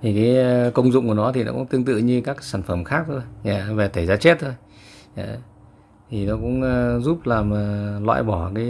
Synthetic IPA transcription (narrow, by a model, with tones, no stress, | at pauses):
t̪ʰi˨˩kaː˨˦jkə˧wŋ͡mzʊ̰˧˨ŋ͡mku˧˩nɔ˨˦t̪ʰi˨˩nɔ̰˨˦kʊ̰˧˥ŋ͡mt̪ɨ˧əŋt̪ɨ̰˧˨ɲɨ˧kaː˦˥ksaː˧˩nfə˧˩mxaː˦˥k̚t̪ʰo˧jaː˧˩ve˨˩t̪ʰə˧˩jzaː˧t͡ɕe˦˥t̚t̪ʰo˧j | a̰˧˨ | t̪ʰi˨˩nɔ˨˦kʊ̰˧˥ŋ͡mzu˦˥p̚laː˨˩mə˨˩lwa̰ː˧˨jɓɔ˧˩kaː˨˦